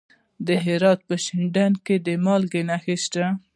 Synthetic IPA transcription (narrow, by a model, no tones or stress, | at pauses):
d̪əɦɪɾɑt̪̚pəʃɪɳɖanked̪əmɑlɡenaxist̪a